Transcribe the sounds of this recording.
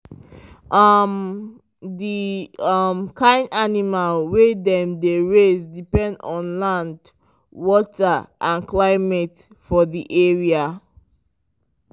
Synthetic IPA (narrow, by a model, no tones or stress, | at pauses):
ʔʌm | diʌmkʰãɪ̃ndanimalwedɛ̃mdeɹezdipɛ̃ndɔ̃nlãnd | wɔtaʔãnklaɪmɛt | fɔðiʔɛɹia